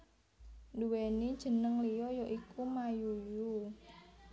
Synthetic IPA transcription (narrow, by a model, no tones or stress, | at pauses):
duwenid̥ʒ̥ə̤nəŋlijɔjoʔikumajuju